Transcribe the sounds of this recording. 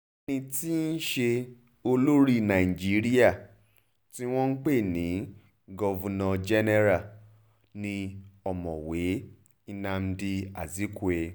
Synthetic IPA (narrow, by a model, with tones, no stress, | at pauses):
e˧˦nĩ˧ti˦n̩˦ʃe˧ | o˧lo˦ɾi˦˨nã˨i˨d͡ʒi˨˦ɾi˦a˦˨ | ti˦w̃ɔ̃˦n̩˦k͡pe˦˨nĩ˨˦ | ɡɔ˦˧vɔ˧nɔ̃˧d͡ʒɛ˦nɛ˧ɾa˦˨ | nĩ˧ɔ˨mɔ̃˨we˨˦ | i˦˧nã˧m̩˦di˧a˨zi˨˦ku˦e˧